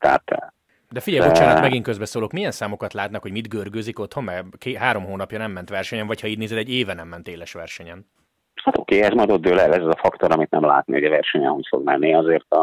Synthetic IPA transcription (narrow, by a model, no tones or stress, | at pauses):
t̪ɛɦa̰t̪ʰɛ̰ | d̪ɛfiɟɛjbot͡ʃaːnɔt̪mɛɡiŋkøzbɛsoːlo̞kmijɛnsaːmo̞kɒt̪laːt̪nakhoɟmid̪ɡørɡøːziko̞t̪ho̞mmɛkeɦaːɾo̞mɦoːnɒpjɒnɛmːɛnt̪ʋɛrʃɛɲɛɱvɒchɒiːd̪neːzɛd̪ɛɟːeːvɛnɛmːɛnt̪eːlɛʃʋɛrʃɛɲɛn | hat̪o̰keːɛzmɒjd̪od̪̚d̪øːlɛlɛzɛzɒfɒkt̪oɾɒmit̪nɛmla̰ːt̪nḭhoɟɛvɛrʃɛɲɛɦocfo̰ɡ̚mɛnːiɒzeːrt̪ɒ